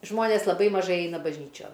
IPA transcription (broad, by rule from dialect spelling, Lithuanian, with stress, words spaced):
ˈʒmoːnʲeːs lˠɐˈbɐɪ mɐˈʒɐɪ ˈɛɪnɐ bɐʒʲˈnʲiːt͡ʃʲoːn